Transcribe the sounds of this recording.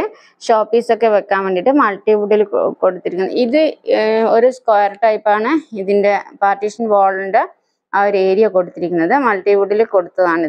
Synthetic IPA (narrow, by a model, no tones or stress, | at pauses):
ʂoːpːiːso̞kːe̞ʋekːaːnʋeːɳɖiʈːɨmɐlʈːiʋuɽilko̞ɽut̪ːiɾikʲːunːɐɨiðɨoɾuskoːjɐrʈɐjpːaːɳɨiðinde̞paːrʈːiʂɐnʋoːɭuɳɖɨ | ɐoɾe̞ːɾijɐko̞ɽut̪ːiɾikʲːunːɐðɨmɐɭʈiʋuɽilko̞ɽut̪ːɐðaːɳɨ